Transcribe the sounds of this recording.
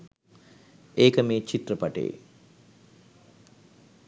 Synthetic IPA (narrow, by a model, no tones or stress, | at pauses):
eːkəmeːt͡ʃit̪rəpaʈḛjḛ